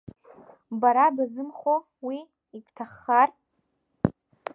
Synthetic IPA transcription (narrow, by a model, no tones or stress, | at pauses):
baɾabazɨmχo | wi | ikʷʼtʰaχːar